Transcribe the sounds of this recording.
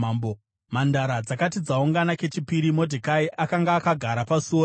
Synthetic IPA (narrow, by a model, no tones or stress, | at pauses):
bo | mandaɾad͡zakatid͡zauŋɡanake̞t͡ʃipiɾimo̞dʱikaiʔakaŋɡaːkaɡʱaɾapasuo